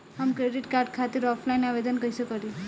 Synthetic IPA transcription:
amkɾeɖiʈkaɾɖkʰat̪iɾɔpʰlainaʋed̪ənkəjsekəɾil

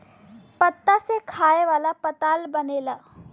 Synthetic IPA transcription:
pət̪ːasekʰaːeʋaːlapət̪aːlbəneːlaː

